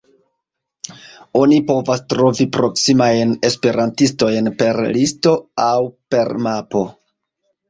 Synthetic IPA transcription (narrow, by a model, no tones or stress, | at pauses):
o̞nipo̞vastɾo̞vipɾo̞ksimajne̞spe̞ɾʔantisto̞jnpe̞ɾlisto̞awpe̞ɾmapo̞